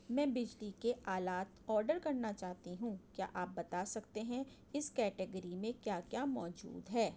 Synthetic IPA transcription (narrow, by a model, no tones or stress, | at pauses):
mɛ̃ːbɪd͡ʒlikeʔaːlaːt̪ɔːɾɖəɾkɐɾnat͡ʃaːɦt̪iɦũkja̰ːʔaːp̚bɐt̪asɐkt̪eɦɛ̃ | ɪskɛːʈɪɡəɾimẽkjaːkjaːmɔːd͡ʒṵːd̪ɦɛː